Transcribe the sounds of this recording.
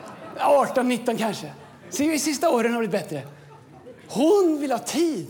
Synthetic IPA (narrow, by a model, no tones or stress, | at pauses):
ɑːʈɔnːɪt̪ːɔnkʰanʂə | sɛɪsɪst̪aoːɾənhaɾblɪt̪̚bɛt̪ɾə | hʊnvɪlhɑːt̪ʰiːd̪